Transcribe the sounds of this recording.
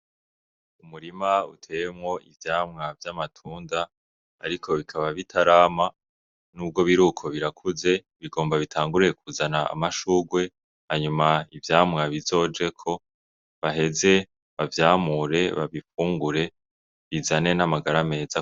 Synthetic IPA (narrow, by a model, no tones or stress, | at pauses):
umuɾimautʰe̞jemŋo̞ʔivjaːmŋavjamatʰuːnda̰ː | ɾikʰo̞βikʰaβaβitʰaɾaːma | nuːb̚ɡo̞βiɾukʰo̞βiɾakʰuze̞ | βiɡo̞ːmbaβitʰaːŋɡuɾijekuzana̰ːmaʃuɡwe̞ | haɲumaivjaːmŋaβizo̞ːd͡ʒe̞kʰo̞ | βaɦe̞ze̞ | βavjaːmuɾe̞βaβifuːŋɡuɾe̞ | βizane̞namaɡaɾame̞ːza